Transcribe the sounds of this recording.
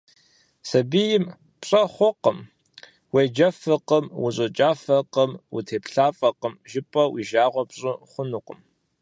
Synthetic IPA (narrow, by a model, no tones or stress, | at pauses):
sɐbijɪm | pɕʼɐχʷɔqəm | wejd͡ʒɐfɨqəmwʊɕʼɨt͡ʃʼaːfɐqəmwṵtʰeːpɬaːfʼɐqəmʒɪpʼɐwḭʒaːʁʷɔpɕʼɨχʷʊnuqʼəm